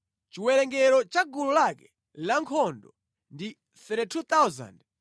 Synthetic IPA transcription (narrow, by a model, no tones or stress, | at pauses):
t͡ʃiwɛɾɛŋɡɛɾɔt͡ʃaɡululakɛ | laŋkʰɔndɔ | ndi | θɛɾɛtʰut̪awza̰nd